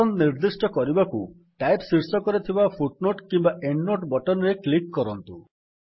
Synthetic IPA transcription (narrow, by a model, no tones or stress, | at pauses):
ɔnniɾd̪isʈɔkɔɾibaku | ʈajpsiɾsɔkɔɾit̪ʰibapʰuʈnoʈkimbaʔeɳɖːoʈbɔʈɔnɔɾeklikːɔɾɔnt̪u